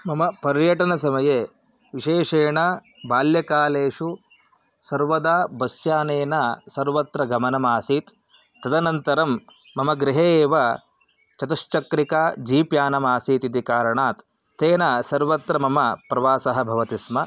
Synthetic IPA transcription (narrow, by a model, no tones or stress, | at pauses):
mɐmɐpɐɾjɐʈɐnɐsɐmɐje | ʋiʃeːʂeːɳɐ | baːljɐkaːleːʂu | sɐɾʋɐd̪aːbɐsjaːneːnɐsɐɾʋɐt̪ɾɐɡɐmɐnɐmaːsiːt̪ː | ɐd̪ɐnɐnt̪ɐɾɐmː | ɐmɐɡɾiɦeːʋɐ | t͡ʃɐt̪ɐʃt͡ʃɐkɾikaːd͡ʒiːpjaːnɐmaːsiːt̪id̪ikaːɾɐɳaːt̪ | t̪eːnɐsɐɾʋɐt̪ɾɐmɐmɐpɾɐʋaːsɐɦɐbʱɐʋɐt̪ismɐ